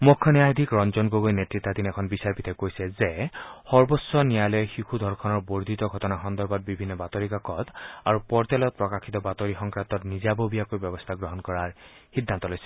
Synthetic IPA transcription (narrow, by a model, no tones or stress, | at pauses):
mukʰːɔnɛjajd̪ʱikɹɔnzɔnɡoɡojnetɹit̪ːadinɛkʰɔnbisaɹpit̪ɛkojsɛzɛxɔɹbɔsːɔnijalɔjxikʰud̪ʱɔɹkʰɔnɔɹboɹd̪ʱit̪ɔɡʱɔtɔnaxɔnd̪ɔɹbat̚bibʱinːɔbat̪oɹikakɔt̪aɹupɔɹtɛlɔt̚pɹɔkakʰit̪ɔbat̪oɹixɔŋkɹant̪ɔtnizabobijakojbɔbɔst̪ʰaɡɹɔɦɔnkɔɹaɹ | xidʱːant̪ɔlojsɛ̥